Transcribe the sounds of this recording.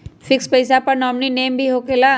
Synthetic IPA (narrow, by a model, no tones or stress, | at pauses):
fɪkspɐɪs̬apɐɾnɔːmnineːmbʱiɦoːkelaː